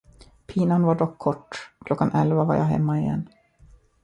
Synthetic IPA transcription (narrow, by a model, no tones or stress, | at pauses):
pʰiːnanvaɖɔkʰːɔʈːkʰlɔkːanʔɛlvava̰ɾja̰ɦɛ̰mːaɪjɛ̰nː